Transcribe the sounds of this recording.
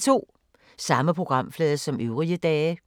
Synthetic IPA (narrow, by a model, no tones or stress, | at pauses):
t͡sʰo̝̰ː | sɑ̈məpʰʁo̝ɡ̥ʁɑ̈m̰flɛːðˠsɒ̽mʔøʊʁiəd̥ɛː